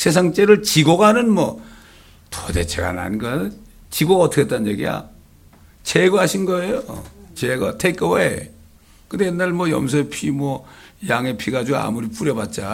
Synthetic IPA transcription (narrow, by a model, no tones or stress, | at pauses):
sʰe̞s̬ʰaŋt͡ɕ͈eɾɯɭt͡ɕiɡoɡanɯnmwʌ | tode̞̰t͡ɕʰeɡa̰na̰nɡʌ | t͡ɕiɡoɡaʌtʰɯ̥kʰet͈anɲjeɡija̰ | t͡ɕeɡʌɦaɕʰinɡʌe̞jot͡ɕeɡʌtʰeik͈ʌwe | kɯnde̞jenːaɭmwʌjʌ̰ms̬ʰʌepʰimwʌjaŋepʰiɡad͡ʑoa̰muɾip͈uɾjʌbat̚t͡ɕ͈a